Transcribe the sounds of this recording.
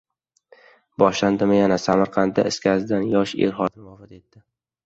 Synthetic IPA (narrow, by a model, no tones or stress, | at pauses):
bɒʃland̪ɪmɪjanasamaɾqʰɑnt̪̚d̪a̰ɪskʲʰazd̪anjɒʃḛɾχɒt̪ʰɪnmɒfɪt̪e̞t̪ːɪ